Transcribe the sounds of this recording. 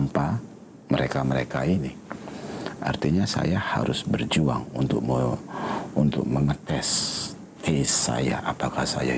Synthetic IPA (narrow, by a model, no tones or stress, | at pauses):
mpa | məɾekaməɾekaini | ʔa̰rt̪iɲasa̰jaha̰ɾʊsbərd͡ʒuaŋunt̪ʊk̚ | unt̪ʊk̚məŋət̪ɛs | t̪esːa̰ja̰ʔapakahsa̰ja̰